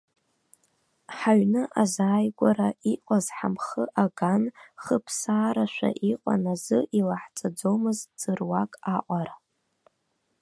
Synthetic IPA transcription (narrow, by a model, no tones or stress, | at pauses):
ħaɥnɨʔazaːjɡʷaɾaiqʷʼazħamχəʔaɡanχəpʰsaːɾaʃᶣʷa̰ʔiqʼa̰nazɨʔilaħt͡sʼad͡zomɨzd͡z̥ɨrwakʼaʔʷʼaɾa